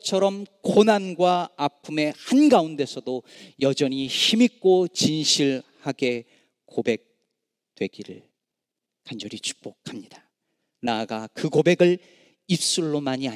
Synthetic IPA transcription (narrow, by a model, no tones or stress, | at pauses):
t͡ɕʰʌɾʌmkonanɡwaːpʰume̞hanɡaunde̞sʰʌdojʌd͡ʑʌɲiçimik͈ot͡ɕinɕʰiɭhaɡe̞ | k͈obe̞k̚ | twe̞ɡiɾɯ̰ɭ | kand͡ʑʌɾit͡ɕʰu̥k̚p͈ok̚ʰamɲid̥ḁ | naɡakɯkobe̞ɡɯɭ | ip̚s͈uɭːomaɲia